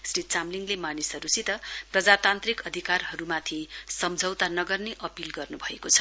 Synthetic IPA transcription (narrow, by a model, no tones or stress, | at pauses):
srit̪̚t͡samliŋlemanisʌɾusit̪ʌprʌd͡zat̪ant̪rikʌd̪ʱikarɦʌɾumat̪ʰisʌmd͡zʱʌwt̪anʌɡʌrneʔʌpilɡʌrnubʱʌekot͡sʰʌ̥